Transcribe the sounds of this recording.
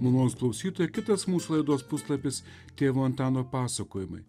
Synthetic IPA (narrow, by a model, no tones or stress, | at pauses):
munˠoːnsklˠɐʊsʲiːt̪oːjɛkʲɪt̪ɐsmuːsulˠɐɪd̪oːspʊslˠɐpʲɪs | t̪ʲeːʋoːɐnt̪ɑːnoːpɑːsɐkoːjɪmɐ̰ɪ